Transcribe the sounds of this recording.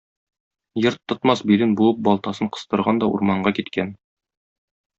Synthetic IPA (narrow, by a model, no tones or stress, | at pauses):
jɤ̆ɾt̪ʰːŏt̪mɑsbilɘnbulˠɤp̚bɒlˠt̪ɑsɤɴqɤ̥̆st̪ɤ̆ɾʁɑnd̪ɒṵɾmɑɴɢɑkit̪kæn